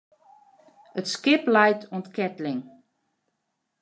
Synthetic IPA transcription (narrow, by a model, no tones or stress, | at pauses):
ətskɪplɛjtʰontkɛtlɪŋ